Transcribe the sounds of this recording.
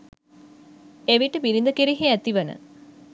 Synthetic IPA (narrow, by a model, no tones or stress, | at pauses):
eʋiʈəmiɾind̪əkiɾiɦeæt̪iʋənə̰